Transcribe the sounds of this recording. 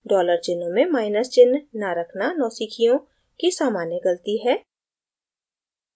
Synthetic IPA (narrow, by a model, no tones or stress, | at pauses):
ɖɔːləɾt͡ʃɪnmẽmaːɪnəst͡ʃɪnːaɾəkʰnanɔːsikʰijõ | kisaːmaːneɡəlt̪iɦɛː